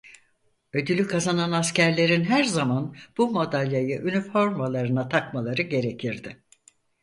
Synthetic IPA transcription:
ø̞d̪ylʲykʰazananascʰæɾlʲe̞ɾinɦæɾzamanb̥umo̞d̪alʲjajɯʔynifo̞ɾmalˠaɾɯnat̪ʰakmalˠaɾɯɟe̞ɾe̞cʰiɾd̪ɪ

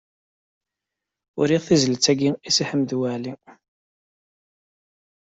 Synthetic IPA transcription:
ʊ̰ɾiʁθizələt͡sːæɡiisiħəmdwæʕli

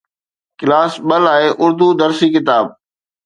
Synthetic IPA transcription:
kɪlaːsɓəlaːeʔʊɾd̪ud̪ɐɾsiːkɪt̪aːb̚

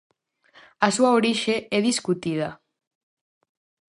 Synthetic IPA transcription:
asuaoɾiʃeɛðiskut̪ið̞a

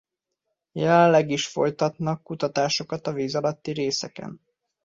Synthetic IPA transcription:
jɛlɛnlːɛɡiʃfo̞̰jt̪ɒt̪nɒkːut̪ɒt̪aːʃo̞kɒt̪ɒviːzɒlɒt̪ːiɾeːsɛkɛ̰n

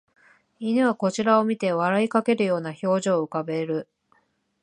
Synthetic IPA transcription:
inɯβako̞t͡ɕiɾao̞mʲit̪e̞βaɾaikake̞ɾɯ̟jo̞ːnaço̞ːʑoːɯ̟kabe̞ɾɯ̟

